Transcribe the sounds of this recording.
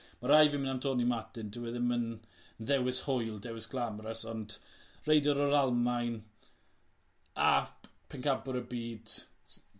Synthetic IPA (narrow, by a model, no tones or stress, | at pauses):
maɾajvɪmənamtʰɔːnimadɪndɪwɛðəmənnðɛwɪshʊjlˠdɛwɪsɡ̥ʰlˠamrəsɔnd̥rejdɔɾɔɾalˠmajn | a | pʰɛnkʰabʊɾəbiːd̥